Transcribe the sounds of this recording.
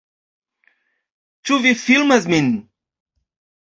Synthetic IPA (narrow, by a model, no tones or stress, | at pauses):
t͡ʃuvifilˠməzmin